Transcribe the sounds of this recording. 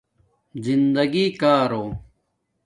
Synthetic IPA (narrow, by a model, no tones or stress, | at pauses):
zind̪ɐɡiːkaːɾoː